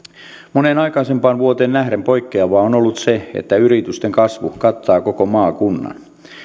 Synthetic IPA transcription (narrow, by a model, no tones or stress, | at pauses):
monenɑikɑisempɑːnʋuot̪eːnæhɾempo̞jkːeɑʋɑːonolːut̪seḛt̪ːæyɾit̪yst̪eŋkɑsʋukɑt̪ːɑːkokomɑːkunːɑ̰n